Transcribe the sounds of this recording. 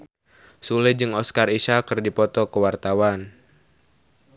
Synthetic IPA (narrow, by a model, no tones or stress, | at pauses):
sulɛd͡ʒɨŋɔskariʃakɨrdipɔt̪ɔkəwart̪awan